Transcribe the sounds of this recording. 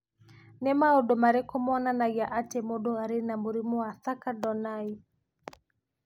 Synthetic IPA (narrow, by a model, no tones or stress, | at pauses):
nɛmaɔɗɔmaɾɛkɔmɔnanajaʔatɛmɔɗɔaɾinamuɾimuaθakaɗɔnai